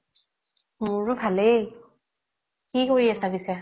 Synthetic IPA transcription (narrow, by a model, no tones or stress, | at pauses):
mʊɹʊbʱale | kikoɹiasabisɛ